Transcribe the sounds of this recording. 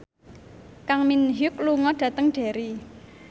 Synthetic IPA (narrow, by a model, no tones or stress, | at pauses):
kaŋminɦʊk̚luŋɔɖ̥ä̤t̪əŋɖ̥e̤ɾi